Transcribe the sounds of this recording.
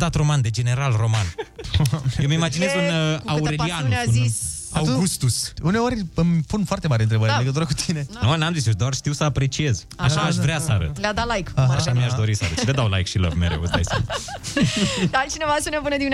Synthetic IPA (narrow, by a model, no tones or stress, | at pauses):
d̪at̪ro̞mand̪e̞d͡ʒe̞ne̞ɾalro̞man | emimad͡ʒinezɨnauɾeliannezis | aw̪uɡust̪usune̞o̞rʲɨmpunfoart̪e̞maɾent̪ɾebəɾenlleɡət̪uɾəkut̪ʰine̞nonamzit͡ʃed̪oarʃt̪iwsəapɾe̞t͡ʃie̞z | aʃaːʃvɾeasəaɾə̰t̪lead̪alajkaʃʃamiaʃd̪o̞ɾisəaɾət̪led̪awla̰jkʃilə̰vmeɾḛwəzd̪a̰j | d̪at͡ʃinevasunepɨnəd̪inʲ